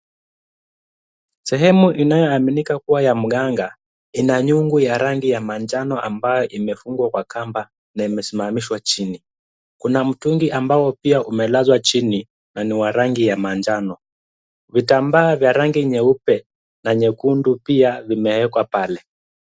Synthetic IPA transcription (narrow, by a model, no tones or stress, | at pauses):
sɛɦɛmuʔinajɔaminikakuwajam̩ɠaŋɡa | inaɲuŋɡujaɾaŋɡijamaɲd͡ʒanɔʔambajɔʔimɛfuŋɡwakwakamba | naimɛsimamiʃwat͡ʃini | kunam̩tuŋɡiʔambaɔpiaʔumɛlazwat͡ʃini | naniwaɾaŋɡijamaɲd͡ʒanɔ | vitambaːvjaɾaŋɡiɲɛupɛ | naɲɛkundupiavimɛɛkwapalɛ